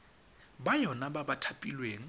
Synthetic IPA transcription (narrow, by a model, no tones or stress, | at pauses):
bajɔnababatʰapʼilweːŋ̩